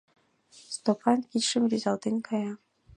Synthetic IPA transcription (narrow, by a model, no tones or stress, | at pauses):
st̪opʰɑnkʲitʃɘmrʲizɑlˠt̪enʲkʰɑjɑ